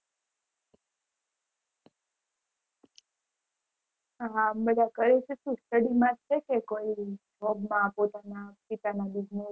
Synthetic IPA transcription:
ɦãmbəd̪ʱakəɭeʃetũsʈəɽimãt͡ʃʰekekoid͡ʒʱɔbmãpot̪anapit̪anad̪iɡno

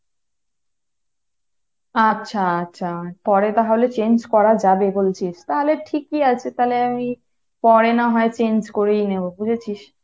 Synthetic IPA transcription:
atːɕʰaaːɕʰapɔɾet̪aɦaɦolet͡ɕend͡ʑkɔɾad͡ʑabebolt͡ɕʰiʃt̪aɦoleʈʰikːiat͡ɕʰet̪aleami | pɔɾenaɦɔet͡ɕend͡ʑkoɾejnebobud͡ʑʰʱet͡ɕʰiʃ

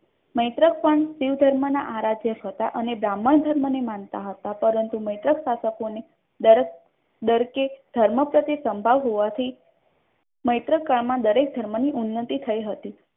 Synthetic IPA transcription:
məjt̪ɾək̚pəɳsiʋd̪ʱəɾmənaʔaɾad͡ʒjəɦət̪aʔənebɾamːəɳd̪ʱəɾmənemant̪aɦət̪apəɾənt̪uməjt̪ɾəksasəkone | d̪əɾ | d̪əɾked̪ʱəɾməpɾət̪isəmbʱaʋɦoʋat̪ʰi | məjt̪ɾəkːaɭmãd̪əɾek̚d̪ʱəɾməniʔunːət̪it̪ʰəiɦət̪i

